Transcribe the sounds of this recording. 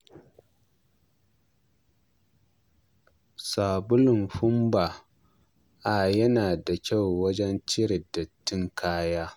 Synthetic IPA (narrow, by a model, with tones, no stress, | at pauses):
saː˨bʊ˦lʊ˨nɸʊ˦mba˨ | ʔa˨jɐ˦naː˨da˨kʲa˦˨wwɐ˦d͡ʒɛ˦nt͡ʃɪ˦ɾɪ˨dɐ˨tːɪ˦ŋkʰaː˦jaː˦